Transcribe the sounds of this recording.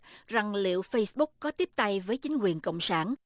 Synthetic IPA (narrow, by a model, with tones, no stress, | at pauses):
za˨˩ŋlḭ˧˨wfə˧jsɓʊ˦˥k̚kːɔ˨˦t̪i˦˥əp̚t̪a˧jvəː˨˦jt͡ɕï˨˦ŋ̟kwi˨˩ənkə̰˧˨wŋ͡msaː˧˩n